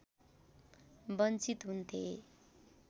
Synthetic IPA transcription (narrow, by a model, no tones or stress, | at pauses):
bʌnt͡sit̪ɦunt̪ʰe